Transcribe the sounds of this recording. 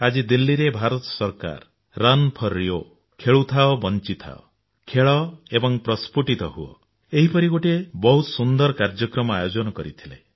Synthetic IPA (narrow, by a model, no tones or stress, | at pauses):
ad͡ʒid̪ilːiɾebʱaɾɔt̪ɔsɔɾka̰ɾː | anpʰɔɾijo | kʰeɭut̪ʰaɔbɔnt͡ʃit̪ʰa̰ɔ̰ | kʰeɭɔebɔŋpɾɔspuʈit̪ɔɦuɔ̰ | eɦipɔɾiɡoʈiebɔɦut̪ɔ̥sund̪ɔɾɔkaɾd͡ʒɔkɾɔmɔajod͡ʒɔnɔkɔɾit̪ʰilḛ